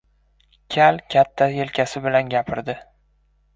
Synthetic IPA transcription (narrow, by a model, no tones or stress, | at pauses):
kʲʰalkʲʰat̪ʰːajelkʲʰasɪbɪlanɡʲapʰɪɾd̪ɪ